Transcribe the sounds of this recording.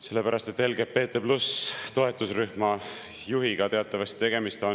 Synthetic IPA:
se̞lːe̞pæɾɑst̪e̞t̪ːˑe̞lɡe̞pe̞ːt̪ːˑeplust̪o̞e̞t̪ːˑusryhmɑ | juɦiɡ̥ɑt̪e̞ɑt̪ˑːɑvɑst̪t̪e̞ɡ̥emist̪o̞n

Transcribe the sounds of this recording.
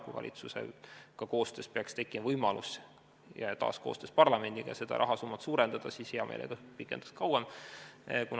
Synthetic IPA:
kuvɑ̰lʲʔḭt̪susḛkɑko̞ːst̪øːspeɑkst̪e̞kːˑimɑvɤjmɑlʔus | jɑjɑt̪ɑ̰ːsko̞ːst̪øːspɑrlɑme̞nd̪iɡ̥ɑ̰jɑse̞d̪̥ɑ̰ɾɑɦɑsumːɑt̪suːɾe̞nd̪̥ɑd̪̥ɑsiːsheɑmḛjlʔḛɡ̥ɑpikːˑend̪ɑ̥skɑwem | kun

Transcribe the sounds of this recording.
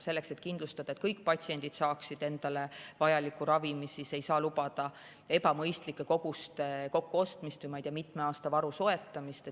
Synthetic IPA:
se̞lːe̞kse̞t̪ˑkind̪lust̪ɑd̪̥ɑet̪kɤjkːˑpɑt̪ʲsie̞nd̪̥id̪̥sɑːksid̪̥e̞nd̪̥ɑle̞vɑjɑlikːˑuɾɑvimisise̞jsɑːlupɑd̪̥ɑ | e̞pɑmɤjst̪likːˑe̞ko̞ɡ̥ust̪eko̞kːuo̞st̪mist̪vujmɑjt̪iːɑmit̪ˑmeɑːst̪ɑvɑɾuso̞e̞t̪ːˑɑmist̪e

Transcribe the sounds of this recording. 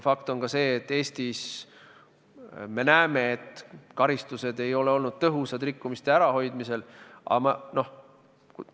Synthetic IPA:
fɑkt̪o̞nɡɑse̞ːt̪ːe̞ːst̪is | me̞næeme̞ːt̪kɑɾist̪use̞d̪e̞jo̞le̞o̞lnud̪̥̚t̪ɤɦusɑd̪rikːumist̪e̞æɾɑɦo̞jd̪mise̞lʔɑ̰mɑno̞h | k

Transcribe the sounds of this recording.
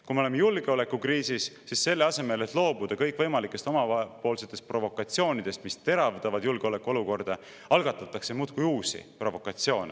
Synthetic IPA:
kumeolemejulɡ̥e̞o̞le̞kːukriːsisːisse̞lːe̞ɑse̞me̞le̞t̪ˑlo̞ːbud̪̥ɑkɤjkːˑv̥ɤjmɑlikːˑe̞st̪o̞mɑpo̞ːlse̞t̪ːˑe̞st̪̚pro̞vo̞kːˑɑt̪sio̞ːnid̪̥e̞st̪mist̪e̞ɾɑvd̪̥ɑvɑd̪̥julɡ̥eole̞kːˑuo̞luko̞rd̪̥ɑ | ɑlɡ̥ɑt̪ːˑɑt̪ːˑɑkse̞muːt̪kujuːsḭpro̞vo̞kːˑɑt̪sio̞ːne

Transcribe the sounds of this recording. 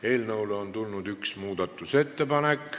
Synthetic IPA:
e̞ːlnɤwleont̪ulnud̪yksmuːd̪̥ɑt̪ːˑuse̞t̪ːepɑnekː

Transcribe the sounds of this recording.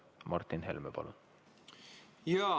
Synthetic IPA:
mɑɾt̪ʰinɦɛlmɛbɑ̰lṵn | jæ

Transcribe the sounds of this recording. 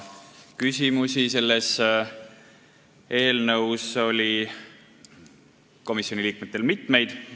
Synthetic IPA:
kysʲimusʲise̞lːes | e̞ːlnɤwso̞lʲi | ko̞misjo̞nʲiliːk̚met̪ːˑe̞lmit̪ˑme̞jd̪̥

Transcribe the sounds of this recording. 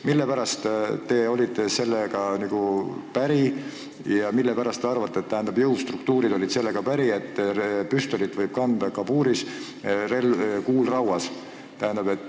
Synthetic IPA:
milːepæɾɑst̪t̪e̞o̞lʲid̪ese̞lːeɡ̥ɑniɡ̥upæɾi | jɑmilːepæɾɑst̪ːeɑrvɑt̪ːˑet̪ːæɦænd̪̥ɑbjɤwst̪rukt̪uːɾid̪̥o̞lʲid̪̥se̞lːe̞ɡ̥ɑpæɾie̞t̪ːpyst̪o̞lit̪ːˑvɤjb̥̚kɑnd̪̥ɑkɑbuːɾis | re̞lkuːlrɑwɑs | t̪æɦænd̪̥ɑbe̞t̪ːˑ

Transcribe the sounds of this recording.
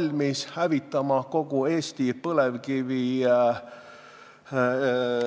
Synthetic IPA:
lʲmishævit̪ːˑɑmɑko̞ɡ̥ue̞ːsʲt̪ipɤlevkivi

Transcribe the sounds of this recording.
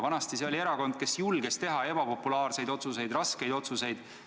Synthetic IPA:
vɑnɑst̪iseo̞lie̞ɾɑko̞nd̪̥̚ke̞sjulɡ̥est̪e̞ɦɑe̞b̥ɑpo̞pːˑulɑːrse̞jd̪o̞t̪suse̞jd̪rɑske̞jd̪̥o̞t̪suse̞jd̪̥

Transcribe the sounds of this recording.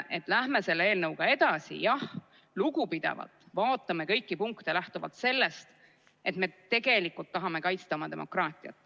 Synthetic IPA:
ʔe̞t̪ːˑlæhme̞se̞lːee̞ːlnɤwɡ̥ɑe̞d̪̥ɑsḭjɑh | luɡupid̪̥ḛvɑ̰lt̪ːˑvɑːt̪ːˑɑme̞kɤ̞jkːipuŋkt̪elæht̪uvɑ̰t̪se̞lːe̞st̪ | ʔe̞t̪me̞t̪e̞ɡ̥e̞likːˑult̪ːɑɦɑme̞kɑjt̪st̪ɑomɑt̪e̞mo̞̰krɑːt̪ˑiɑ̰t̪ːˑ

